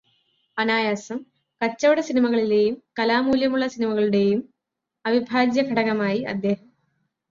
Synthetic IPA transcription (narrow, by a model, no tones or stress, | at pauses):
ɐnaːjaːsɐm | kɐt͡ɕːɐʋɐɽɐsinimɐɣɐɭile̞ːjumkɐlaːmuːljɐmuɭːɐsinimɐɣɐɭuɽe̞ːjum | ɐbibʱaːd͡ʑjɐɡʱɐɽɐɣɐmaːjiɐ̰d̪ːe̞ːhɐm